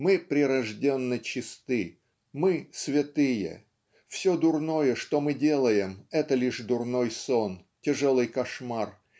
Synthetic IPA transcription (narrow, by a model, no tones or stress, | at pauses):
mɨpɾʲɪɾɐʐdʲenːət͡ɕɪst̪ɨ | mɨsvʲɪt̪ɨjə̰ | fsʲod̪ʊrno̞jəʂt̪omɨdʲe̞lˠəjɪmɛt̪əlʲiʂd̪ʊrno̞json | tʲɪʐolˠɨjkɐʂmar